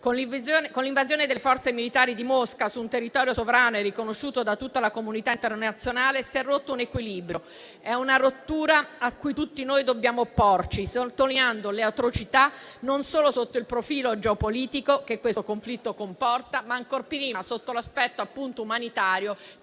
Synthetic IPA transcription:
konlivzonkonliɱvazjoːned̪elefɔrt̪semilit̪aːɾid̪imoskasuːnt̪erːit̪ɔːɾjosovɾaːnoɛrːikonoʃːuːt̪od̪at̪ːut̪ːalakomunit̪aint̪ernat̪sːjonaːlesiɛrːot̪ːounekwiliːbɾjo | ɛunaɾot̪ːuːɾaakːujt̪ut̪ːinojd̪objaːmopːort͡ʃisot̪ːolinand̪oleawt̪ɾot͡ʃit̪a | nonsoːlosot̪ːoilpɾofiːlod͡ʒeopoliːt̪ikokekːwekoɱflit̪ːokompɔrt̪amaŋkorpiɾiasot̪ːolaspɛt̪ːoapːunt̪oumanit̪aːɾjo

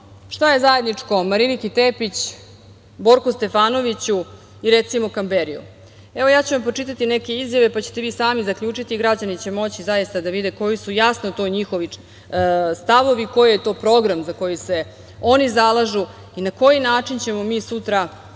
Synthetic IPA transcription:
ʂt̪aje̞zaje̞d̪nit͡ʂko̞maɾilikit̪epit͡ɕ | bo̞ɾkust̪e̞faːno̞ʋit͡ɕu | iɾet̪simo̞kambeɾiṵ | eʋo̞jaːt͡ɕeʋampɾot͡ʂit̪at̪ine̞ke̞izjaʋe̞pat͡ɕe̥t̪eʋiːsaːmizakʎuːt͡ʂit̪iɡɾad͡ʑanit͡ɕe̞mo̞t͡ɕizajist̪ad̪aʋid̪eko̞jisujasnot̪o̞ːɲixo̞ʋi | st̪aʋo̞ʋiko̞jjet̪o̞ːpɾo̞ɡɾamzako̞jise̞ | o̞nizalˠaʒu | inako̞jinaːt͡ʂint͡ɕe̞mo̞miːsut̪ɾa

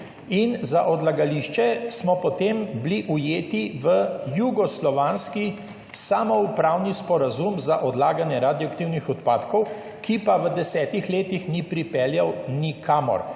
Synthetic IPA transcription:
inzaʔɔd̪laɡaliʃt͡ʃɛsmɔpɔt̪embliʔujeːt̪iʋəjuɡɔslɔʋaːnski | saːmɔupɾaːwnispɔɾazumzaʔɔd̪laːɡanjɛɾaːd̪jakt̪iwnixɔt̪paːt̪kɔw | kipaʋəd̪ɛsɛːt̪ixleːt̪ixnipɾipɛljawnikʰaːmɔ̰ɾ

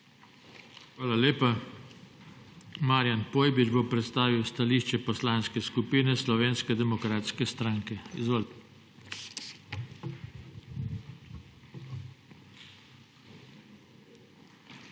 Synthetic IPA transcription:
xʋaːlaleːpa | maːɾjanpoːjbid͡ʒbopɾɛt̪st̪aːʋiwst̪aliʃt͡ʃɛpɔslanskɛskupinɛslɔʋeːnskɛd̪ɛmɔkɾaːt̪skɛst̪ɾaːŋkɛizʋoːl

